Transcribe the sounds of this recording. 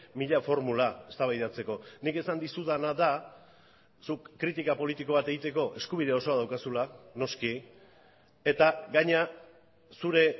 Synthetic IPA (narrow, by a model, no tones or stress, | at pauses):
miʎafo̞ɾmulae̞st̪aβajðat͡se̞ko̞nike̞sand̪isuðanaða | sukːɾit̪ikapo̞lit̪iko̞β̞at̪e̞ɣit̪e̞ko̞ʔe̞skuβ̞iðeo̞so̞að̞awkasulano̞ski | e̞t̪aɡaɲa | suɾe̞